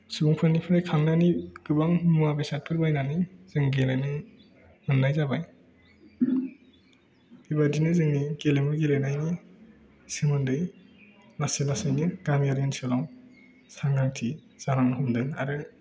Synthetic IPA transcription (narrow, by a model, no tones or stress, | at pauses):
subuŋpʰɯnipʰɯɾajkʰaŋnaniɡɯbaŋmuabesat̚kʰɯɾbajnaniz̥ɯŋɡelanɯ | mɯnːajzabaj | ibadinɯzɯŋniɡelemɯɡelenajni | sɯmɯndɯj | laselasɯjnɯɡamijaɾensɯlaw | saŋɡaŋtʰi | z̥aɾaŋnɯɦɯmdɯŋa̰ɾɯ